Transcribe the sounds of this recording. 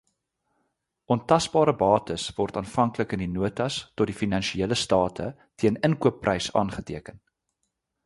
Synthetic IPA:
ʔɔntɐsbɑːɾəbɑːtəsvɔrtɑːnfɐŋkləkəndinuətɐstɔt̚difinɐnʃieələstɑːtʰə̰ | tiənənkuəpːrʔɛjsɑ̰ːnχətiəkən

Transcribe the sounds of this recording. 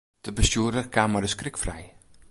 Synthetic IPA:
d̥əbəstjuədərkʰaːmadəskrɪkfrɛ̰j

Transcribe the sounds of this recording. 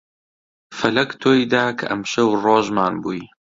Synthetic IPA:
fɐlɐkt̪ʰoːjd̪aːkʰɐ̰ʔɐmʃɐwroːʒmaːnbuːj

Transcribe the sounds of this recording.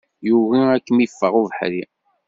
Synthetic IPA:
juvæækːəmifːəʁuvəħɾi

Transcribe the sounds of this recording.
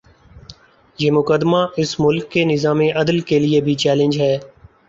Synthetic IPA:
jeːmʊkəd̪maːʔɪsmʊlkːeːnɪzaːmeʔɐd̪əlkelɪebʱit͡ʃɛːlə̃nd͡ʒɦɛː

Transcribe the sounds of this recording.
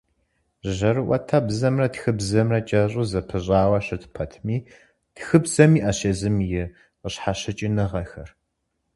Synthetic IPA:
ʒɐɾɨʔʷɐ̰tʰabzɐmrɐtxɨbzɐmrɐt͡ʃʼɐɕʼuːzɐpʰɨɕʼaːwɐɕɐtʰpʰɐtʰmiː | txɨbzɐmiːʔaːɕezɨmjɪ | qəɕħaɕɐt͡ʃʼinɨʁɐxɐr

